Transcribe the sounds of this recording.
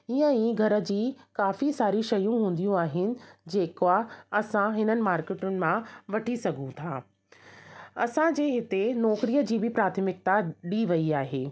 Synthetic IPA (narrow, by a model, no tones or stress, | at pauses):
iə̃ĩːɡʱɐɾə̆d͡ʑiːkaːfisaːɾiʃɐjũɦũːn̆d̪ijũaːɦɪnɪ̆d͡ʑeːkoaɐsãɦɪnənɪ̆maːɾkeːʈʊnɪ̆mãʋɐʈʰisɐɡʱũt̪ʰaː | ɐsãd͡ʑeːɦɪt̪enɔːkɾijəd͡ʑiːbɪpɾaːt̪ʰəmɪk̚t̪aɗiʋɐiaːɦeː